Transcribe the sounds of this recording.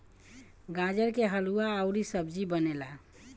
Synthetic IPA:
ɡãd͡ʒəɾkeɦəluaːwɾisəbd͡ʒibənela

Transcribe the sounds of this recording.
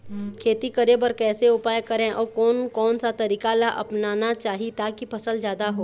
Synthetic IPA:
kʰeːt̪ikɐɾebɐɾkɛːseʊpaːjkɐɾẽʔɔːɾkɔːnkɔːnsat̪ɐɾiːkalaʔɐ̰pnaːnat͡ʃaːɦit̪akipɐsəld͡ʒjaːd̪aɦoː

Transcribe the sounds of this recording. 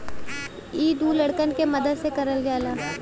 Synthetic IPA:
iːd̪ulɐɽkənkemɐd̪əd̪sekɐɾəlɡjaːlaː

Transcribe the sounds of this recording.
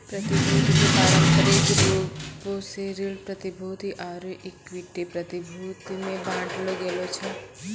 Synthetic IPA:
pɾət̪ibʱod̪ʱikekaɾənkəɾekpoposeɾilpɾət̪ibʱod̪iʔaɾoʔikʋiʈːepɾət̪ibʱut̪inẽbãʈloɡelot͡ʃʰɛ

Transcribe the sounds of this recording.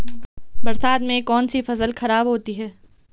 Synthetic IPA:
bɐɾsaːd̪mẽkɔːnsifɐzəlxɐɾaːbɦoːt̪iɦɛː

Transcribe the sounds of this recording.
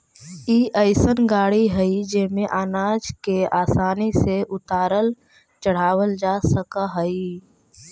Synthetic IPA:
iːʔəɪsənɡaːɽiɦəid͡ʒeːmẽʔaːnaːd͡ʒkeaːsaːniseʔʊt̪aːɾəl | t͡ʃəɽ̤aːwəld͡ʒaːsəkaɦəi

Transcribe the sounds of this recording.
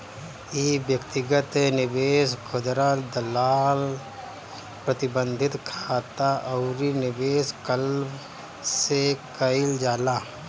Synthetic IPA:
ibjəkt̪ɪɡət̪enɪbeːskʰʊd̪ɾad̪əlaːl | pɾət̪ɪbə̃nd̪ʱɪt̪kʰaːt̪aʔəʊɾinɪbeːskəlb | sekəɪld͡ʒaːlaː

